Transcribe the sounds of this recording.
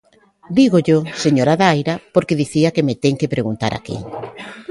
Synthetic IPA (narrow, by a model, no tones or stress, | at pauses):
d̪iɣoʎoseɲoɾaðaajɾapoɾkeðiθiakemet̪eŋkepɾʔeɣunt̪a̰ɾʔa̰kḭ